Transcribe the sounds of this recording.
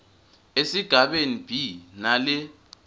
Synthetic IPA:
esiɡ̥ʱaɓenib̥ʱinalɪ

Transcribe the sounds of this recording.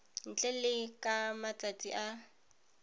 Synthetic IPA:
n̩t͡ɬʼɛlɪkʼamat͡sʼat͡sʼiʔa

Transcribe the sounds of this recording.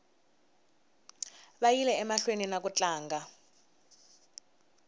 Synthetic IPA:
ɓajilɛɛmaɬweninak̬ut͡ɬʼaːŋɡa

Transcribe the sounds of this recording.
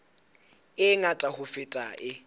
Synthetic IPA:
ɪŋatʼahʊfɪtʼaʔɪ

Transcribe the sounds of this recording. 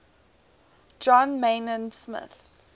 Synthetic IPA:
d͡ʒɔ̃nmenə̃nsmɪ̰θ

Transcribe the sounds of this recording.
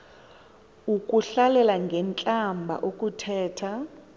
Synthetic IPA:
ukʼuɬalɛlaŋɡʱɛnt͡ɬʼambʱa̰ʔokʼutʰɛːtʰa

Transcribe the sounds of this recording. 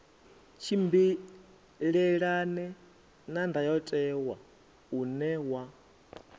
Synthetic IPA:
t͡ʃʰimbi | ɺɛɺanɛ | nandajɔtʼɛwa | unɛwa

